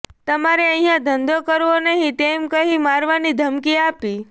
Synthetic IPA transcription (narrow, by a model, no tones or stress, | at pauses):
t̪əmaɾeə̃ɦĩjãd̪ʱənd̪okəɾʋonəɦĩt̪emkəɦĩmaɾʋanid̪ʱəmkiapi